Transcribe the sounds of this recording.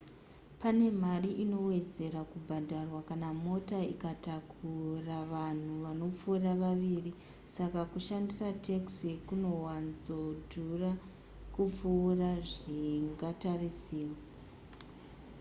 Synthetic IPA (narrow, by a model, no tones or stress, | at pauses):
pane̞m̤ariʔino̞we̞d͡ze̞ɾakubʱadʱarwakanamo̞taikatakʰuraʋan̤uʋano̞p͡fuːraʋaʋiri | sakakuʃandisatʰeksikuno̞wanzodʱura | kup͡fuːraʐiŋɡatarisiːwa